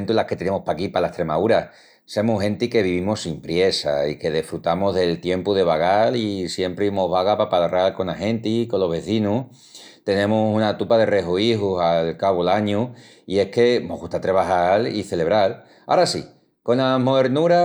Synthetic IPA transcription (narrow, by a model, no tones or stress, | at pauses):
nt̪ulahket̪e̞ne̞mospakipalaeht̪ɾe̞mauɾa | se̞muɦe̞nt̪ike̞β̞iβ̞imosimpɾje̞sa̰ike̞ðefɾut̪amoɦðe̞lt̪je̞mpuðe̞β̞aɣalisje̞mpɾeimoɦβaɣapapaðaralko̞naɦe̞nt̪iko̞nlo̞ɦβe̞θinu | t̪e̞nẽ̞musunat̪upaðe̞re̞ɦoiɦusalkaβolaɲu | ie̞hke̞noɦɣut̪at̪ɾeβ̞ahalḭθe̞le̞βɾal | a̰ɾasḭ | ko̞namoeɾnuɾa